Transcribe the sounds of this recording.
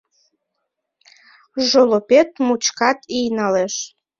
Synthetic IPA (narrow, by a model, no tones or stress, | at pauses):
ʒolopet̪̚mut͡ɕkɑt̪ijnɑleʃ